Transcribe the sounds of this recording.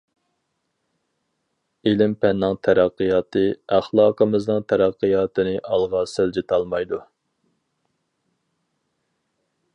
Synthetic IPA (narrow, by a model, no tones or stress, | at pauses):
elɪmpɛnːɨŋt̪ʰæɾæqːijɑːt̪ʰɨæχlˠɑːqʰəmɨznɨŋt̪ʰæɾæqʰːəjɑːt̪ʰɨnɨʔɑlˠʁɑsɪld͡ʒet̪ʰɑlˠmɑjd̪u